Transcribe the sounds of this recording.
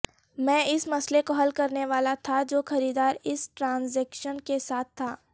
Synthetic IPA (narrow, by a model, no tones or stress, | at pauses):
mɛ̃ːɪsmɐslekoɦɐlkɐɾneʋaːlat̪ʰad͡ʒoːxɐɾiːd̪aːɾɪsʈɾãːnzɛːkʃənkesaːt̪ʰːaː